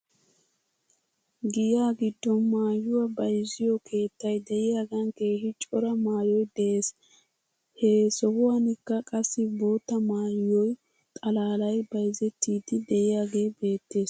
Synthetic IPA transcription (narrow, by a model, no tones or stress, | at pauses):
ɡɪjaːɡɪd̪ːɔnmaːjːʊwɐbɐjzɪjɔkʰe̞ːt̪ːɐjd̪ɛʔɪjaːɡɐŋke̞ːhɪt͡ʃʼɔɾɐmaːjɔjd̪ɛʔe̞ːs | heːsɔhʊwaːnɪkːɐkʼɐsːɪbo̞ːt̪ːɐmaːjːɔj | t̪ʼɐlaːlɐjbɐjzɛt̪ːiːd̪ɪd̪ɛʔɪjaːɡe̞ːbe̞ːt̪ːe̞ːs